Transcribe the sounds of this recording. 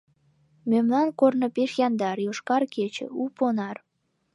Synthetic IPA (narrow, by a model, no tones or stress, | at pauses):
mømlɑnkornɤpeʃjɑnd̪ɑɾjoʃkɑrket͡ɕḛuponɑr